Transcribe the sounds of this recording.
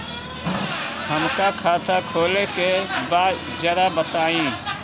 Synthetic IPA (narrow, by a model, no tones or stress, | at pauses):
həmkakʰaːt̪ʰakʰoːlekebaːd̪ | d͡ʒəɾabət̪aːĩː